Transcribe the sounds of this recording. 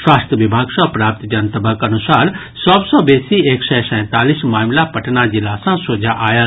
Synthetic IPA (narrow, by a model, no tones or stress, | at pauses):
ʃwaːst̪jəʋɪbʱaːɡsɔ̃pɾaːp̚t̪d͡ʒant̪əbʱəkɐnʊsaːɾ | sɔbsɔbeːsieːksɛsɛ̃ːt̪aːlismaːmlapəʈʰnad͡ʒɪlasãsoːd͡ʒʱaʔaːjəl